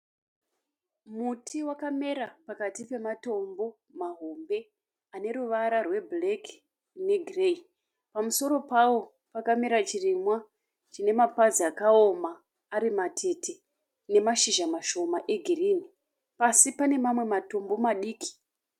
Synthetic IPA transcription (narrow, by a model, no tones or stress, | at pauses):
mutiwakame̞ɾapakatipe̞mato̞mbo̞ | maɦombe̞ | ane̞ɾuʋaɾarwe̞blek | ne̞ɡʱirei | pamuso̞ɾo̞pawo̞ | pakameɾat͡ʃirimwa | t͡ʃine̞mapaziakaomaː | ɾimatʰe̞tʰe̞ | ne̞maʃiʒamaʃo̞maʔe̞ɡʱiriːni | pasipane̞mamwe̞mato̞mbo̞maɗiːki̥